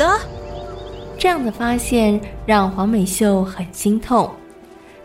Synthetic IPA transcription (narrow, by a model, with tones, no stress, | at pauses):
ə˧ | ʈ͡ʂɤ˥˧jɑ˥˩ŋd̪ə˩fa˥ɕjɛ˥˧nɻɑ˥˩ŋxwɑ˧˥ŋme˨˩ɪɕjo˥˩ʊxə˨˩nɕi˥ŋt̪ʰʊ˥˩ŋ